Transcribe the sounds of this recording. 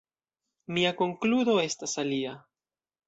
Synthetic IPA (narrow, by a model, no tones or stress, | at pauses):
miako̞ŋkludo̞e̞stasalia